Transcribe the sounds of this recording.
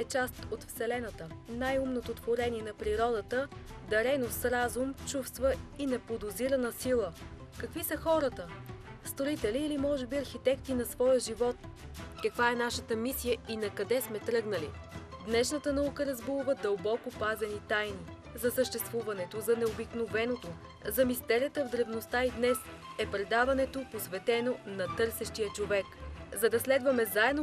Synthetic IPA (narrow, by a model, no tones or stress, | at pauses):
ɛt͡ʃast̪ot̪fsɛlɛnət̪ənajumnot̪ot̪voɾɛniɛnɐpɾiɾɔd̪ət̪əd̪ɐɾɛnosɾazumt͡ʃufst̪vəinɛpod̪ʊziɾɐnəsilˠəkɐkvisəxɔɾət̪əst̪ɾoit̪ɛliːlimɔʒɛbiɐɾxit̪ɛkt̪inɐsvɔjəʒivɔt̪kɐkvaɛnaʃət̪əmisijəinɐkɐd̪ɛsmɛt̪ɾɤɡnɐlḭd̪nɛʃnət̪ənɐukəɾɐzbulˠvəd̪əlˠbɔkopazɛnit̪ajni | zɐsəʃt̪ɛst̪vuvɐnɛt̪ozɐnɛobiknovɛnot̪o | zɐmist̪ɛɾʲət̪əvd̪ɾɛvnost̪aid̪nɛs | ɛpɾɛd̪avɐnɛt̪oposvɛt̪ɛnonɐt̪ɤɾsɛʃt̪ijət͡ʃovɛkzɐd̪ɐslɛd̪vɐmɛzaɛd̪no